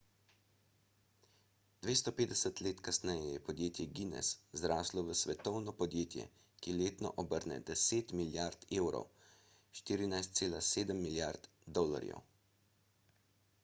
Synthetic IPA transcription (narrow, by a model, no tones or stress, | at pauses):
d̪̥ʋeːst̪ɔpeːd̪ɛsət̪leːt̪kasnɛjɛjɛpɔd̪jeːt̪jɛɡinɛ̰szɾaːslɔʋəsʋɛt̪ɔwnɔpɔd̪jeːt̪jɛ̰ | kileːt̪nɔ̰ʔɔbəɾnɛ̰d̪ɛseːt̪miljaɾt̪eːwɾɔ̰w | ʃt̪iːɾinajst̪seːlaseːd̪əmːiljaɾt̪ | d̪ɔːla̰ɾjɛ̰w